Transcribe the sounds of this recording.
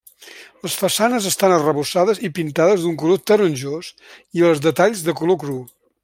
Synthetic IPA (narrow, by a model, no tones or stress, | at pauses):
ləsfəsanəzəst̪anərəβusað̞əzipint̪aðəzðuŋkulot̪əɾunʲʒos | iəlˠzðət̪aʎzðəkulokɾu